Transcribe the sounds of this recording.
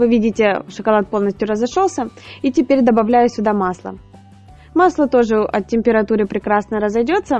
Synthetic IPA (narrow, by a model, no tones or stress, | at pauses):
vɨvʲidʲɪtʲɪʂɨkɐlˠat̪̚po̞lˠnəsʲtʲjʊɾəzɐʂolˠsʲəitʲɪpʲeɾʲd̪əbɐvlʲæjʊsʲʊd̪amaslˠə̰ | maslˠət̪o̞ʐɨʔɐ̰tʲːɪmʲpʲɪɾɐt̪uɾɨpɾʲɪkɾasnəɾəzɐjdʲo̞t̪sə